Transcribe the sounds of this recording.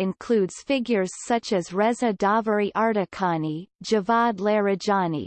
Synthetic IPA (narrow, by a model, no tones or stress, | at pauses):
ɨ̃nkʰl̥udz̥fɪɡjə˞z̥sʌt͡ʃɨzɹɛzɨdɑvəɹiʔɑɹɾɨkʰɑnid͡ʒɨvɑdˡlɛɹɨd͡ʒɑnḭ